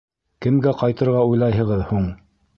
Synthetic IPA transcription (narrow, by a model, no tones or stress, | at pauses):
kɘ̆mɡæqɑjt̪ɤ̆ɾʁɑujlˠɑjɦɤ̆ʁɤðhuɴ